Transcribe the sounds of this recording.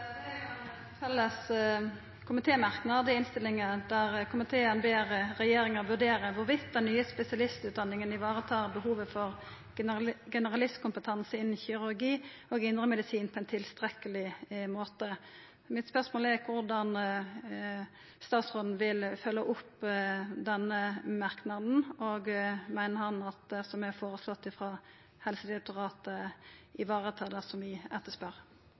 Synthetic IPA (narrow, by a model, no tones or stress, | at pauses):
ɛ | fɛlːəs | kʰʊmɪt̪ʰeːmɑʁknəɑd̪ɛɪnst̪ɪlɪŋd̪æʁkʰʊmɪt̪ʰeːənbeːʁəɾɛjeːɾɪŋəʋʉɖ̪eːʁəʋʊʁʋɪt̪̚d̪ɛnːyːəspɛsɪɑlɪst̪ʉːt̪d̪ɑnːɪŋənɪʋɑːʁət̪ʰɑːʁbəhuːʋəfɔʁ | ɡɛnəʁɑlɪskʊmpət̪ʰɑnsəɪnːn̩çʏʁʉʁɡiːoːɡɪnd̪ʁəmɛd̪ɪsiːnpʰɔɛnt̪ʰɪlst̪ʁɛkəlɪmoːt̪ə | mɪt̪spœʁsmoːlɛʁkʰʋʊʁd̪ɑn | st̪ɑːt̪sʁoːd̪n̩ʋɪlfœlːəʔʊpːd̪ɛnːəmɑʁknɑd̪n̩oːɡmæɪnəɾhɑnɑt̪̚ɛsɔmæfoːʁəslɔt̪ːɪfʁɑː | hɛlsəd̪ɪɛk̚t̪ʊʁɑːt̪əɪʋɑːʁət̪ʰɑd̪ɑsɔmʋɪɛt̪ːəspœʁ